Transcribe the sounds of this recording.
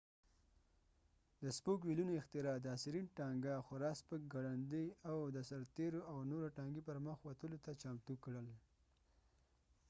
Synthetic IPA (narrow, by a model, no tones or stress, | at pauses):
d̪əspokwilunoɪxt̪ɪɾɑd̪əːsɪɾinʈɑŋɡaxʊɾɑspək̚ɡaɽand̪əjawd̪əsaɾt̪eɾoawnoɾaʈɑŋɡipəɾməxwat̪əlot̪at͡ʃɑmt̪ukɽəl